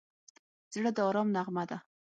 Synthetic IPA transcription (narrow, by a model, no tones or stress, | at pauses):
zɽəd̪əɑɾɑmnaʁmad̪a